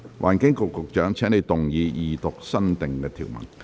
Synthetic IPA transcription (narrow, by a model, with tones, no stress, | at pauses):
wʔa̰ː˨˩nkɪ˨˥ŋkʊ˨kːʊ˨k̚t͡ʃœː˨˥ŋt͡ʃʰɛː˨˥ŋne˨˧jt̪ʊ˨ŋjiː˨˧jiː˨t̪ʊ˨k̚sɐ˥nt̪ɪ˨ŋkɛ˧t̪ʰḭː˨˩wmɐ̰˨˩n